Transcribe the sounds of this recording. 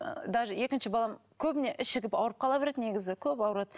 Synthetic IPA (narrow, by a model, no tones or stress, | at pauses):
d̪ɑʒje̞kʲɪnʃɪbɑlˠɑmkʲʰɵbɪne̞ʔɪsɪɡʲɪpɑwəɾəp̚qʰɑlˠɑbe̞ɾe̞d̪ne̞ɡʲɪzɪkʲʰɵpɑwɾɑd̪